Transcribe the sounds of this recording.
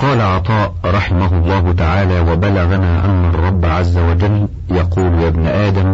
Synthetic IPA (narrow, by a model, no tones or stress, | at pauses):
qɑːlaʕɑt̪ˤɑːʔɾˤɑħɪmaɦʊlˤːɑːɦʊt̪aʕaːlaːwabalaɣanaːʔa̰nːɑrˤːɑbːʕazːawad͡ʒalː | jɑquːljabnɪʔaːd̪am